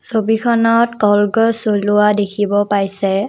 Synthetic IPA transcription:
sobikʰɔnɔtkɔlɡɔsolʊwadekʰibɔpaɹjsɛ

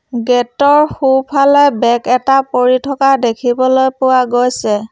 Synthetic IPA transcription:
ɡɛtɔɹxupʰalɔjbɛkɛtapoɹitʰɔkadekʰibɔlojpʊwaɡojsɛ

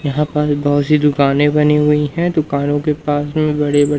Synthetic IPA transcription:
jɐɦãpasbɔɦʊt̪sid̪ʊkaːnẽbɐniɦʊiɦɛ̃d̪ʊkaːnõkepaːsmẽbɐɽebɐɽ

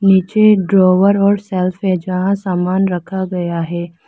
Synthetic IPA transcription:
niːt͡ʃeɖɾɔːʋəɾɔːɾsɛːlfɦɛd͡ʒɐɦãsaːmaːnɾɐkʰaɡɐjaɦɛː

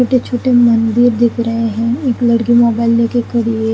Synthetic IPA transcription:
oːʈet͡ʃʰoːʈemɐ̃nd̪ɪɾd̪ɪkʰɾɐɦeɦɛ̃eːklɐɽkimoːbaːɪlnekekɐɽie

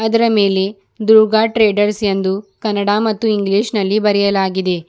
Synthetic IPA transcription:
ɐd̪ɐɾɐme̞ːle | d̪uɾɡaːʈɾeːɖɐɾsjend̪ukɐnːɐɽaːmɐt̪ːuiŋɡliːʃnɐlːibɐɾɛjɐlaːɡid̪e

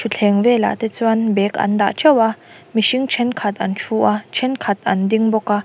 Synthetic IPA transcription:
t͡ʃʰut͡ɬʰɛŋwɛːla̰ʔt̪ɛt͡sʰuanbɛːka̰nd̪a̰ʔt͡ʃɐwa | miʃiŋt͡ʃʰɛnkʰat̪̚ʔant͡ʃʰuʔat͡ʃʰɛnkʰat̪̚and̪iŋbɔka

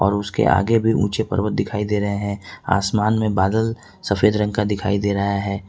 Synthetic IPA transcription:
ɔːɾʊskḛʔa̰ːɡebʱiʔṵ̃ːt͡ʃepɐ̰ɾwət̪̚d̪ɪkʰaːid̪eːɾɐɦeɦɛ̃a̰ːsmaːnmẽbaːd̪əl | sɐfeːd̪ɾə̃ŋɡkad̪ɪkʰaːid̪eːɾajaɦɛː

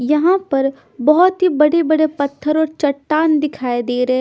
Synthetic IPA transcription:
jɐɦãpɐɾ | bɔɦɔt̪ɦibɐɽebɐɽepɐt̪ʰːəɾɔːɾt͡ʃɐʈːaːnd̪ɪkʰaːed̪eːɾɦɛ

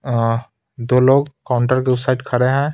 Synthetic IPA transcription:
d̪oːloːɡkaʊɳʈəɾkeʊpsaɪʈkʰɐɾeɦɛ̃ː

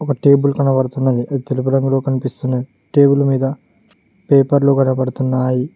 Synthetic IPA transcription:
ɔkɐʈe̞ːbulkɐnɐpɐɽɐt̪unːɐd̪iʔɐd̪it̪elupuɾɐŋɡulo̞ːkɐnipist̪unːɐd̪i | ʈe̞ːbulmiːd̪ɐ | peːpɐɾloːɡɐnɐpɐɽɐt̪unːaːji

